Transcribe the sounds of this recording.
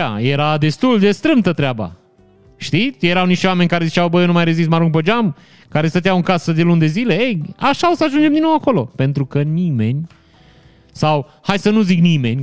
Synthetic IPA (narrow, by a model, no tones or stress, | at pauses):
a̰je̞ɾad̪e̞st̪uld̪e̞st̪ɾɨmt̪ət̪ɾeaba̰ | ʃt̪ije̞ɾawniʃt̪wame̞nʲkaɾe̞zit͡ʃawbəjonumajɾezismaɾuŋk̚pəd͡ʒam | kaɾest̪ət̪ejawɨŋkasəd̪e̞lund̪e̞zile̞ejaʃaosəaʒund͡ʒemd̪inowako̞lo̞pe̞nt̪ɾukənime̞nʲ | saw | hajsənuziknime̞̰nʲ